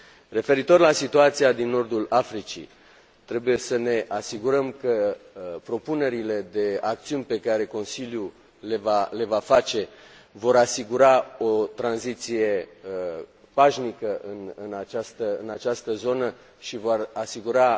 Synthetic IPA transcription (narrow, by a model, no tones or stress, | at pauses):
re̞fe̞ɾit̪o̞rlasit̪uat̪siad̪inːo̞rd̪ulafɾit͡ʃḭ | t̪ɾe̞buje̞səne̞ʔasiɡuɾəmkəpɾo̞pune̞ɾile̞d̪e̞ak̚t̪siunʲpe̞kaɾe̞ko̞nsilju | levale̞vafat͡ʃe̞vo̞ɾasiɡuɾaot̪ɾanzit̪sije̞ | paʃnikəʔɨnɨnat͡ʃast̪əɨnat͡ʃast̪əzo̞nə | ʃivo̞rasiɡuɾa